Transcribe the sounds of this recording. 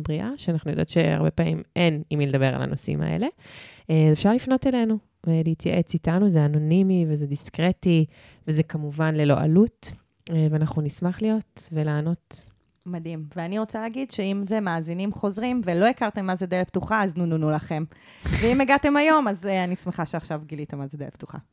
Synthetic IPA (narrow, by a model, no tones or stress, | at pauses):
bʁiʔaʃeanaχnujo̞d̪o̰t̪ʃea̰ʁbepaːmimʔe̞nimiled̪abe̞ʁa̰la̰no̞sḭma̰ʔḛle̞ | zefʃaʁlifno̞t̪ele̞nu | veliit̪ja̰ʔet͡sitanuzeano̞nimivezediskʁeti | vezekamuvanle̞lo̞̰ʔa̰lut | veanaχnunismaχlijo̞t̪velaːno̞t | madimveaniʁot͡saleːɡidʃeimzemaːzinimχo̞zʁimvelo̞ikaʁt̪emːazed̪elep̚tuχaaznununulaχe̞m | veimeɡat̪e̞majo̞mazanismeχaʃaχʃavɡilit̪emazed̪ḛl̰ḛpt̪u̥χa̰